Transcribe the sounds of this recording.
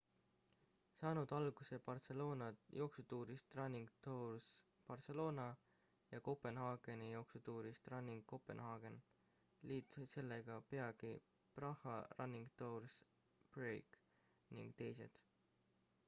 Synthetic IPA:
sɑːnud̪̥ɑlɡ̥use̞pɑrt̪se̞lo̞ːnɑjʔo̞ksut̪uːɾist̪rɑnːiŋɡt̪ors | pɑrt̪se̞lo̞ːnɑ | jɑko̞pe̞nhɑːɡ̥enijo̞ksut̪uːɾist̪rɑnːiŋɡ̥ko̞pe̞̰nhɑːɡ̥e̞n | liːt̪ˑse̞lːeɡ̥ɑpe̞ɑɡ̥i | prɑhːˑɑrɑnːiŋɡ̥t̪owrs | b̥rejk | nḭŋɡ̥t̪e̞jse̞̰d̪̥

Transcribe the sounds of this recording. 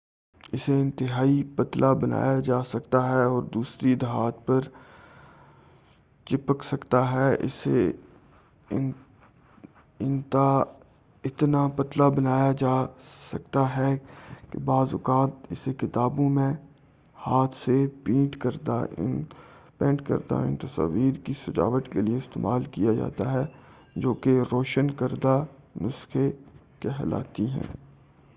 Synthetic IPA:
ɪseɪ̃nt̪ɪɦaːipɐt̪lʔabɐna̰ːjad͡ʒaːsɐkt̪aɦɛɔːɾd̪uːsɾid̪ɦaːt̪pɐɾ | t͡ʃɪpəksɐkt̪aɦɛʔɪ̰sḛ | ɪnt̪a | ɪt̪napɐt̪labɐnaːjad͡ʒaːsɐk̚t̪aɦɛkḛbaːzʊkaːt̪ɪsekɪt̪aːbõmẽ | haːt̪ʰsepĩːʈkɐɾd̪a̰ʔɪ̰npɛ̃ːɳʈkɐ̰ɾd̪a̰ɪ̰nt̪ɐsa̰ːʋiːɾkisɐd͡ʒa̰ːʋət̪kelieɪst̪ḛːmaːlkijad͡ʒa̰ːt̪aɦɛ | d͡ʒoːkeɾoːʃənkɐɾd̪anʊsxekeɦla̰ːt̪iɦɛ̰̃ː

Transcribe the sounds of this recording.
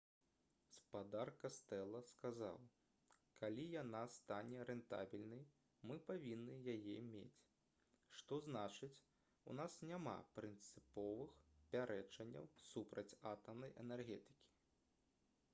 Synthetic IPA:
spad̪arkast̪ɛlˠɐskaza̰w | kʰalʲijanast̪anʲɛɾɛnt̪a̰bʲilʲnɐj | mɨpavʲinːɨjajɛmʲḛt͡sʲ | ʂt̪ɔznat͡ʂɨt͡sʲ | unasnʲama̰pɾɨnt̪sɨpɔvɨxpʲaɾʔɛt͡ʂɐnʲːɐ̰wsupɾɐt͡sʲat̪ɐmnɐjʔɛnɛrɣʲɛt̪ɨ̥kʲi̥

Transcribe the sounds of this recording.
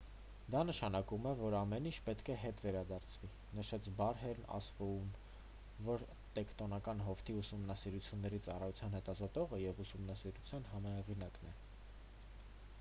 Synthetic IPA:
d̪ɑnəʃɑnɑkumɛvɔɾɑmɛnint͡ʃʰpɛt̪kʰɛɦɛt̪vɛɾɑd̪ɑɾt͡sʰvi | nəʃɛt͡sʰbɑɾɦɛɾnɑ̰svuum | vɔɾ | t̪ɛkt̪ɔnɑkɑnɦɔft̪ʰiusumnɑsiɾut͡sʰjunːɛɾit͡sɑrɑjut͡sʰjɑnhɛt̪ɑzɔt̪ɔʁəjɛvusumnɑsiɾut͡sʰjɑnɦɑmɑhɛʁinɑknɛ

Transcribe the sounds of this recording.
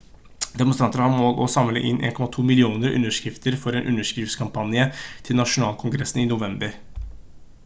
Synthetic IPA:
d̪ɛmʊnst̪ɾɑnt̪əɾəhɑɾmoːlʔɔsɑmləʔɪnʔḛːnkʰɔmɑt̪ʰuːmɪlɪuːnəɾʉ̰nːəʂkɾɪft̪ʰəɾfɔɾeːnʔʉ̰nːəʂkɾɪft̪skʰɑmpʰɑnjət̪ʰɪlnɑʂʊnɑːlkʰʊŋɡɾɛsn̩ɪnʊʋɛmbəɾ

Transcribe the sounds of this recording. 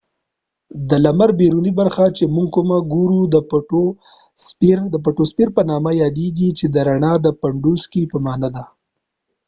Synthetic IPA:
d̪əlamaɾbeɾunibaɾxat͡ʃemuŋɡ̚kumaɡuɾud̪əpaʈo | speɾd̪əp̬aʈospiɾpənɑmajɑd̪eɡit͡ʃed̪əɾaɳɑd̪əpaɳɖuskipəmɑnad̪a

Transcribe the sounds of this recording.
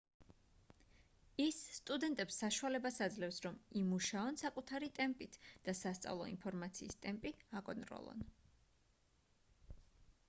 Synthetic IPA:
isːt̪ʼud̪ɛnt̪ʼɛpsːaʃualɛbasad̪zlɛfsɾɔmimuʃaɔnsakʼut̪ʰaɾit̪ʼɛmpʼit̪ʰd̪̥asast̪sʼa̰vlˠɔ̰ḭnpʰɔɾmat̪sʰiːst̪ʼɛmpʼiakʼɔnt̪ʼɾɔ̰lˠɔ̰n

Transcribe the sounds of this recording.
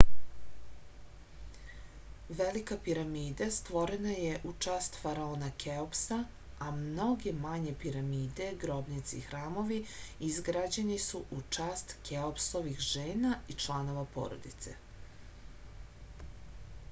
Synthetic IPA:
ʋelikapiɾamiːd̪ast̪ʋo̞ɾenajeʔut͡ʃaːst̪faɾaoːnakeopsa | amno̞ɡe̞maɲe̞piɾamiːd̪e̞ɡɾo̞bnit̪sḭxɾaːmo̞ʋiizɡɾad͡ʑe̞nisuʔut͡ʂaːst̪keopsoʋixʒe̞ːnait͡ʃlˠano̞ʋapo̰ɾo̞̰d̪it̪sḛ

